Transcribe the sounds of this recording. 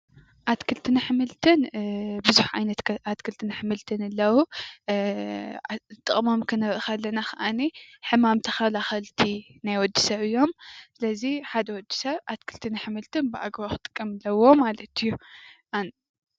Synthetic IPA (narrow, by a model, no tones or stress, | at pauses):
ʔat̪kʰɨlt̪ʰɨnaħɨmɨlt̪ʰɨnbɨzuħʕa̰jnɐt̪at̪kʰɨlt̪ʰɨnɐħmɨlt̪ʰɨnɨlːɐwu | t̪ʼɨχʼmo̞mkʰɨnɐβʔɨxalːɐnaxɐʔaniħɨmamt̪ʰɐxɐlaxɐlt̪ʰinajwɔd̪ːi̥sɐβɨjːomsɨlɐziħad̪ɐwɔd̪ːi̥sɐβʔat̪kʰɨlt̪ʰɨnaħɨmɨlt̪ʰɨnbɨʔa̰ɡβaxɨt̪ʼɨ̥kʼːɐmɨlːɐwo̞malɐt̪ɨjːuʔan